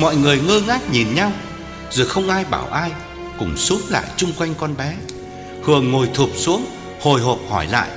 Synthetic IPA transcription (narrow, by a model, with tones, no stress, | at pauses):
mɔ̰˧˨jŋɨ˨˩əjŋəː˧ŋaː˦˥k̚ɲi˨˩nɲa˧w | zo˨˩xə˧wŋ͡mʔaː˧jɓaː˧˩wʔaː˧j | kʊ̰˧˩ŋ͡msu˨˦əmla̰ː˧˨jt͡ɕʊ˧ŋ͡mkwa˧jŋ̟kɔ˧nɓɛ˨˦ | hɨ˨˩əŋːo˨˩jt̪ʰu˨˩p̚su˨˦əŋ | ho˨˩jɦo˨˩p̚hɔ˧˩jla̰ː˧˨jʔ